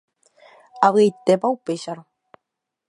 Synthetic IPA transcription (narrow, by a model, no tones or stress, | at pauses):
aβɨejt̪epaupeʃaɾo